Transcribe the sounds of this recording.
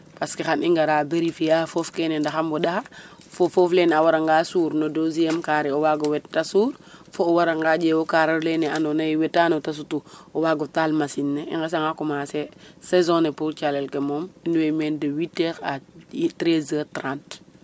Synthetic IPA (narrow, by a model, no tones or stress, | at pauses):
paskixaniŋɡaɾaːbeɾifijafofkenendaxambɔdaha | fofoflenawaɾaŋɡaːsuːɾnodoziɛmkaːɾɛɔwaɡɔwɛttːasuɾfoːwaɾaŋɡad͡ʒewokaɾaɾlenɛanɔnajwɛtːanotas̬utuɔwaːɡɔtalmasinːeḭŋɡes̬aŋakumasesezõnepult͡ʃalelkemɔminwemɛndəwitːeɾa̰tɾezəːtɾãːnt